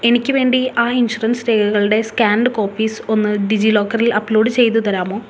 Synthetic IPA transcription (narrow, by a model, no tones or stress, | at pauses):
e̞nikʲːɨʋe̞ːɳɖiaːinɕurɐnsɾeːkɐɣɐɭuɽe̞skʲaːɳɖɨko̞ːpːiːso̞nːɨɖid͡ʑilo̞ːkːɐrilɐplo̞ːɖɨt͡ɕe̞jt̪̬ːut̪ɐɾaːmo̞ː